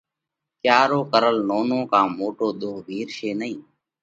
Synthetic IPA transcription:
kjaːɾoːkəɾəlnoːnõːkãːmoːʈoːɗ̪oːbʱiːɾʃeːnəĩː

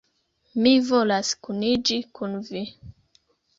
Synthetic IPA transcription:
mivolaskunid͡ʒikunvi

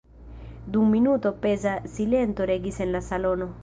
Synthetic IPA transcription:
d̪uŋminuːt̪opezasilent̪oɾeɡisenlasalono

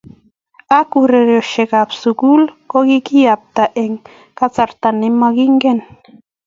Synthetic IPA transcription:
akuɾeɾoʃeɡapsukulkoɡikijap̚t̪aʔeŋ | kat͡saɾt̪anemaɡiŋɡen

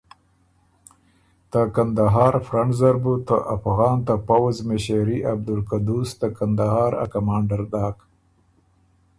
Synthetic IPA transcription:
t̪akand̪aɦɑːɾfɾaɳzaɾbut̪əʔafɣɑːnt̪apawazmeʃeɾiʔab̚d̪ulkad̪ust̪akand̪aɦɑːɾa̰kamɑːɳɖaɾd̪ɑːk

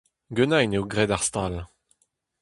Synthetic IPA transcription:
ɡønajnewɡʁɛd̪aʁst̪al

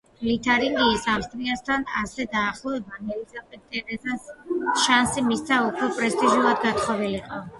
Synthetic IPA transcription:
lit̪ʰaɾiŋɡiːsafst̪ʼɾiast̪ʰana̰sɛd̪aːχlˠɔɛbanɛlisapʼit̪ʼɛɾɛzasʃansimist̪sʰaukʰwɛpʼɾɛst̪ʼiʒulˠad̪ɡat̪χɔviliqʼɔ

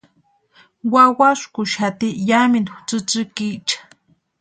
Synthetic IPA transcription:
wawaʃkʊʃat̪ijaminxt͡sɨt͡sɨkit͡ʃḁ

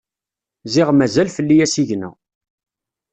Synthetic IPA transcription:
zɪʁmæzælfəlːijæsiʝnæ̰

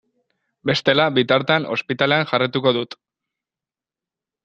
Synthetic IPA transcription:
be̞st̪e̞labit̪aɾt̪eano̞̰spit̪ale̞aŋʝarit̪uko̞ðut̪

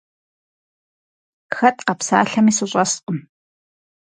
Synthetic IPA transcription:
xɐtʼqɐpsa̰ːɬɐmiːsɨɕʼɐsqʷʼʊm

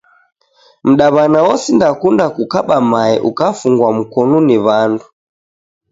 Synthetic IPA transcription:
m̩ɗaβanawɔsindakundakukaɓamaɛʔukafuŋɡwam̩kɔnuniβandu

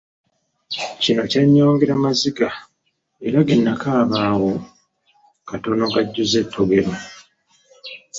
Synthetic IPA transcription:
cino̞caɲːo̞ːŋɡeɾamaziɡa | e̞ɾaɡenːakaːβaːwo̞ | kato̞no̞ŋkaɟːuzetʰːoɡe̞ɾo

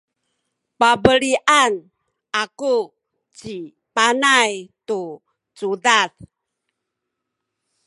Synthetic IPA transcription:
pabəɾiʔan | ʔaku | t͡ɕi | panajtu | t͡sudaθ

